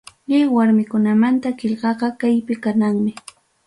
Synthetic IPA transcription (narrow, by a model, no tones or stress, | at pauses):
ʎɪwaɾmɪkʊnamant̪akɪʎɢɑɢɑkajpɪkanaŋmɪ